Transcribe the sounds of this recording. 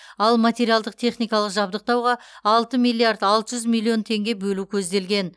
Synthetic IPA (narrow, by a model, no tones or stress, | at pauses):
ɑlˠmat̪ʲe̞ɾijalˠd̪əq̚t̪ʰe̞χnijkɑlˠəqʒɑbd̪əq̚t̪ɑwʁɑɑlˠt̪əmilʲːiard̪ɑlˠt̪əʒʏzmʲilʲˠːio̞nt̪ʰe̞ŋɡʲe̞bɵlukʲʰɵzd̪e̞lɡʲe̞n